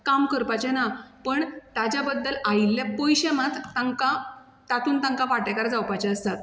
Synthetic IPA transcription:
kamkəɾpat͡ɕɛnapəɳt̪at͡ɕjabəd̪ːəlailːjapɔjɕemat̪ːaŋka | t̪at̪ʰuːnt̪ãŋkaʋaʈɛkaɾd͡zawpat͡ɕɛəst̪at̪̚

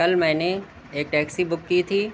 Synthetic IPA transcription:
kɐlmɛ̃ːne | eːk̚ʈɛːksibʊkːit̪ʰiː

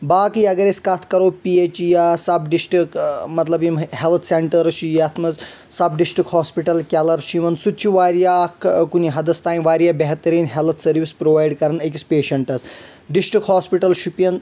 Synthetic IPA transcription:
baːkijɐɡɐɾeskɐt̪ʰkɐɾoːpiet͡ʃijasɐbɖisʈɾikmɐt̪lɐbimɦelt̪ʰseɳʈɐɾɐʃʰijɐt̪ʰmɐz | sɐbɖisʈɾikhaːspiʈɐlkʲalɐɾʃʰimɐnsut̪̚t͡ʃʰiʋaːɾjakkuniɦɐd̪ɐst̪aːjiʋaːɾjaːbeɦt̪ɐɾiːnɦelt̪ʰsɐɾʋispɾoːʋaːjɖkɐɾɐnɐkʲispeːʃɐɳʈɐs | ɖisʈɾikɦaːspiʈɐlʃupjɐn

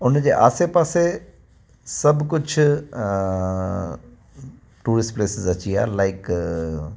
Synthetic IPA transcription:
ʊnd͡ʑeːʔa̰ːsepaːse | sɐbʱkʊd͡ʑʱ | ʈuːɾɪsʈpleːsɪzɐt͡ɕia̰ːlaːɪk

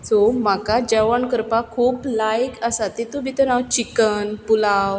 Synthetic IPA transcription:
som̤akad͡ʑəʋəɳkəɾpakʰuːplajkəsat̪et̪ubʱit̪əɾnawt͡ɕikənpulaw

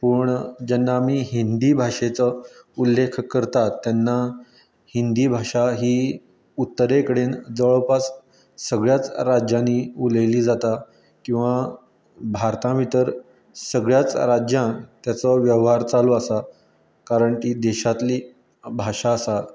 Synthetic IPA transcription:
pəːɳd͡ʑanːaːmiːɦind̪iːbʱaʂet͡səulːekʰkəɾt̪at̪ːjanːa | hind̪iːbʱaʂaɦiː | ut̪ːəɾekəɽend͡zəɭpas | səɡɭjat͡sɾad͡ʑjãnːiːuləjliːd͡zat̪a | kĩw̃ʋa | bʱaɾt̪ãʋit̪əɾ | səɡɭjat͡sɾad͡ʑjãnt̪jat͡səʋjəʋɦaɾt͡saloasa | kaɾəɳkiːd̪eɕat̪liː | bʱaʂaːsa

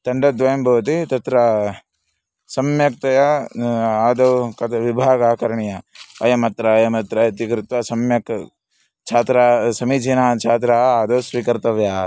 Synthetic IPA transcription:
t̪ɐɳɖɐd̪ʋɐjɐmbʱɐʋɐt̪̬it̪ɐt̪ɾɐ | sɐmjɐk̚t̪ɐjɐ | aːd̪ɐwkɐt̪ʰɐʋibʱaːɡaːkɐɾɐɳijɐɐjɐmɐt̪ɾɐjɐmɐt̪ɾɐɐt̪ikɾɪt̪ʋɐsɐmjɐk | t͡ʃʰaːt̪ɾaːsɐmid͡ʒinaːt͡ʃʰaːt̪̬ɾaɦɐaːd̪ɐwsʋiːkɐɾt̪ɐʋjaː

